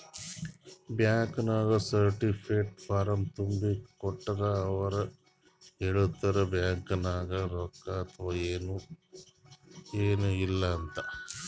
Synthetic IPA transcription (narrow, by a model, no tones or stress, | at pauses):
bjaːŋkɐnaːɡɐsɐɾʈipʰeʈpʰaːɾɐmt̪umbikɔʈːɐɾɐːʋɐɾɐ | eɭut̪ːɐɾɐbjaːŋkɐnaːɡɐɾɔkːɐːt̪ʰɐʋaːeːnu | eːnuilːɐːnt̪ɐ